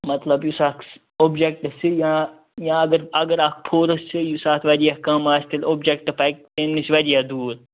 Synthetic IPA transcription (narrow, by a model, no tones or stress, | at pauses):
mɐt̪lɐbjusaːks | oːbd͡ʒek̚ʈɐsijã | jãːɐɡəɾɐɡəɾaːk̚pʰoːɾɐssijusaːt̪ʰʋɐɾijaːkɐmaːst̪iloːbd͡ʒek̚ʈɐpɐjk̚t̪eːnnisʋɐɾijaːd̪uːɾ